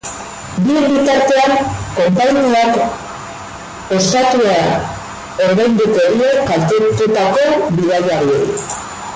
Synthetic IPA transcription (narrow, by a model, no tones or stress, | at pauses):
bibit̪aɾt̪e̞aŋko̞mpaɲiak | e̞st̪at̪ueaa | o̞ɾðajnd̪uk̪e̞ɾiekːalt̪et̪ut̪ako̞βiðajaɾiḛi